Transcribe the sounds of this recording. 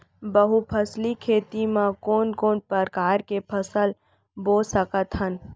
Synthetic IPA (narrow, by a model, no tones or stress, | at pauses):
bəɦupʰəslikʰeːt̪imãkoːnkoːnpəɾkaːɾkepʰəsəl | boːsəkət̪ɦən